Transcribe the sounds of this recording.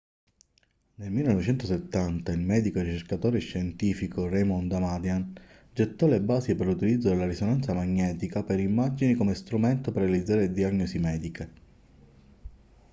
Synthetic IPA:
nelmilːenɔvet͡ʃɛnt̪oset̪ːant̪ailmɛːd̪ikoɾit͡ʃerkat̪oːɾeʃːent̪iːfikorejmɔnd̪amad̪jan | d͡ʒet̪ːɔlebaːzepeɾlut̪ilid̪zːod̪elːaɾisonant̪samaɲːɛːt̪ikapeɾimːad͡ʒinikomest̪ɾument̪operːealid̪zaːɾed̪iaɲːɔsimɛːd̪ikʰe

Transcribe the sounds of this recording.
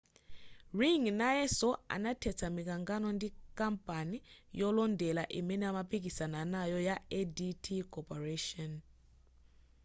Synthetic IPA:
riŋnaɛsɔa̰natʰɛt͡sʰamik̬aŋɡanɔndikʼampʼanijɔlɔndɛlaʔimɛnɛamapʰik̬isananajɔjaɛditʰikʰʼɔpʰʼɔrɛʃɔn

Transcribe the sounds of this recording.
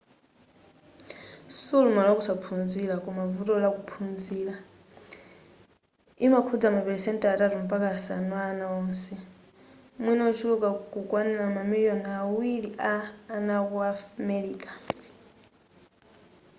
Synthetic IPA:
sulumalakusapʰund͡zilakumavutʼɔlakupʰund͡ziːla | imakʰud͡zamapɛlsɛntʼataɾum̩pʼakasa̰nɔaːnaɔːnsɛ | mwinɛut͡ʃʰulukʼakukʼwanɛlamamiljɔnawiɺiʔaːnakuamɛliːkʼḁ

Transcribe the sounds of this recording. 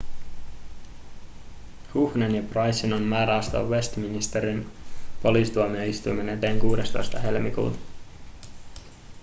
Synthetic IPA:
huhnenjɑprɑjsinonmæːɾæost̪o̰ʋʋest̪minist̪e̞ɾinpo̞liːsit̪uomioist̪ujme̞ne̞t̪e̞ːŋkuːde̞st̪o̞̰jst̪ɑɦe̞lmikṵːt̪ɑ̥

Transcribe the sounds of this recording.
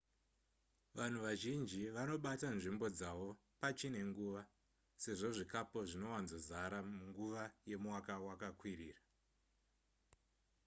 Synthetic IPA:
ʋan̤uʋaʒind͡ʒiʋano̞ɓatanʐimbo̞d͡zaʋo̞ | pat͡ʃine̞ŋɡuʋa | se̞ʐo̞ʐikapo̞ʐino̞wanzozaɾamuŋɡuʋaje̞mwakawakakwiriːra

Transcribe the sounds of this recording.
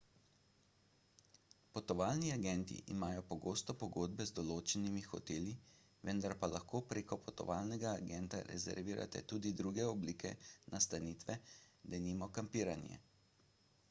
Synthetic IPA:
pɔt̪ɔʋaːlniaɡɛnt̪ḭʔḭmaːjɔpɔɡoːst̪ɔpɔɡoːd̪̚bɛzd̪ɔloːt͡ʃɛnimixɔ̰t̪eːli | ʋənd̪aɾpalʔaxkoːpɾeːkɔpɔt̪ɔ̰ʋaːlnɛɡaːɡɛnt̪a̰ɾɛ̰zɛ̰ɾʋiːɾʔa̰t̪ɛ̰t̪uːd̪id̪ɾuːɡɛɔbliːkɛ̰nʔast̪anit̪ʋɛd̪ɛniːmɔkampiːɾanjɛ̰

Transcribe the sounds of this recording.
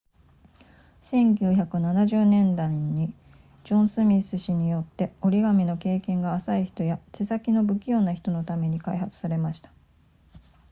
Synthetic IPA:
sẽ̞ŋkʲɨːçakɯ̟nanaʑɨːnẽ̞nd̪ãi | d͡ʑõ̞ɰ̃sɨmʲisɨɕiɲ̟ijo̞t̪ːe̞o̞ɾʲiɡamʲino̞ke̞ːkẽ̞ŋɡaːsaiçi̥t̪o̞jatesakʲino̞bɯ̟kʲijo̞ːnaçi̥t̪o̞no̞t̪ame̞ɲ̟ikaiɦat͡sɨ̥saɾe̞maɕi̥t̪ḁ

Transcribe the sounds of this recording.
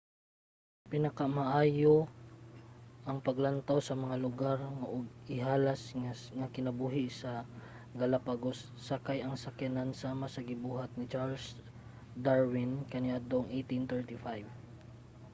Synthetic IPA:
pɪnɐkamɐʔaːjo | ʔɐŋpɐɡlɐnt̪awsɐmɐŋalʊɡaɾŋaʔoɡ̚ɪɦaːlasŋaŋɐkɪnɐbuːɦɪʔsɐ | ɡɐlapaɡosːɐkajɐŋsɐkɛnansaːmasɐɡɪbuːɦat̪̚nɪt͡ʃaɹls | d̪aɹwɪnkɐnɪad̪oʔŋʔejt̪ɪnt̪ɛɹt̪ɪfajv

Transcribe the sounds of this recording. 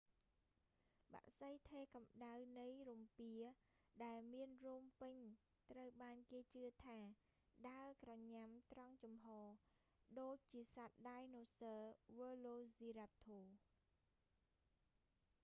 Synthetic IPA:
ɓa̰ʔsəjt̪ʰeːkɑmɗawnɨjrumpiə | ɗaɛlmiənruəmpɨɲ | t̪rəwɓaːnkeːt͡ɕɨət̪ʰaː | ɗaəkrɑɲamt̪rɑŋt͡ɕumɦɑː | ɗoːc̚t͡ɕiəsat̪̚ɗajnoːsəːʋəːloːsiːɾap̚t̪ʰːoː

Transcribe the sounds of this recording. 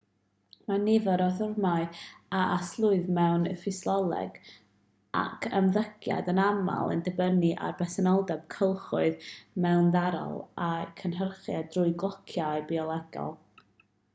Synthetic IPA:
manɪvɔɾɔθʊrmaɨaʔaslˠʊɨðmɛwnfɪslˠɔlˠɛ̰ɡ̥ | a̰kʰəmðəɡ̥ja̰dənama̰lˠə̰ndəbəniʔa̰rbɛsɛnɔlˠdɛb̥̚kʰəlˠχʊɨðmɛwnðaɾɔ̰lˠakʰənɦərχjadrʊɨɡlˠɔkʰjaɨbiɔlˠɛɡɔ̰lˠ

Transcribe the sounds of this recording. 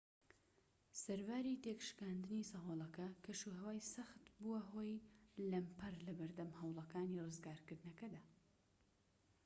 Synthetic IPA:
sɐɾvaɾit̪ekʃkaːnd̪ɨnisɐɦoːlˠɐkɐkʰɐʃuɦɐwaːjsɐxt̪buɐɦoːjlɐmpʰɐrlɐbɨɾd̪ɐmhɐwlˠɐkaːnirɨzɡaːɾkɨɾd̪ɨnɐkɐd̪aː

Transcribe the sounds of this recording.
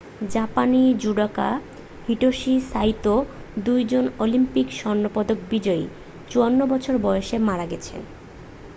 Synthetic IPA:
d͡ʑapanid͡ʑuɖaka̰ | hiʈoʃisajt̪o | d̪ujd͡ʑonolimpikʃɔnːopɔd̪ok̚bid͡ʑɔḭ | t͡ɕuanːobɔt͡ɕʰoɾbɔeoʃemaɾaɡɛt͡ɕʰḛn

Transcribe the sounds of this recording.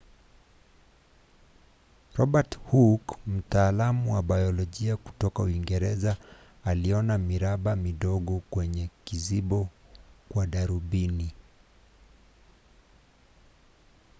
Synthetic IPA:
ɾɔɓathukm̩taːlamuwaɓajɔlɔʄiaku̥tɔkauiŋɡɛɾɛzaː | liɔnamiɾaɓamiɗɔɠɔkwɛɲɛkiziɓɔkwaɗaɾuɓini

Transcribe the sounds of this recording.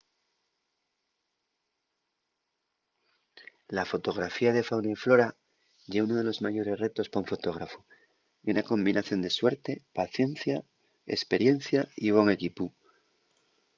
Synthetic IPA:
lafo̞t̪o̞ɣ̞ɾafiaðe̞fawnaiflo̞ɾa | ʝeuno̞ð̞e̞lo̞zmaʝo̞ɾe̞zre̞t̪o̞spoɱfo̞t̪o̞ɣ̞ɾafo | unako̞mbinaθjo̞nd̪e̞swe̞ɾt̪e̞paθje̞n̟θja | ḛspe̞ɾje̞n̟θjaiβ̞o̞ŋe̞kipu

